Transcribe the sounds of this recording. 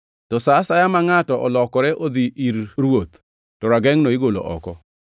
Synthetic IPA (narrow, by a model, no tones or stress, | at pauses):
tɔsasajamaŋatɔʔɔlɔkɔɾɛʔod̪iʔiɾɾwot̪ | tɔɾaɡɛŋnoɪɡolo̰ʔɔ̰kɔ